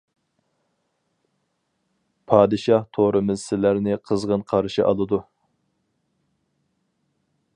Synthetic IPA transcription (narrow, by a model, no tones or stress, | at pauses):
pʰɑːd̪ɨʃɑht̪ʰoɾʔɨmɨzsɪlæɾnɪqʰəzʁənqʰɑɾʃiʔɑlˠɨd̪u